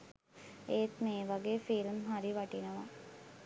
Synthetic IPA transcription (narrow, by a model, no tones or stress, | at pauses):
eːt̪meːʋaɡeːfilmɦaɾiʋaʈinəʋa